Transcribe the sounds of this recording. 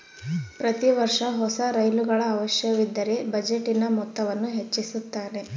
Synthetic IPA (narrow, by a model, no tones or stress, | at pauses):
pɾɐt̪iʋɐɾʂɐɦɔsɐɾɐjluɡɐɭɐːʋɐʃjɐʋid̪ːɐɾebɐd͡ʒe̞ʈːinɐmɔt̪ːɐʋɐnːuɦe̞t͡ʃːisut̪ːaːɾe̞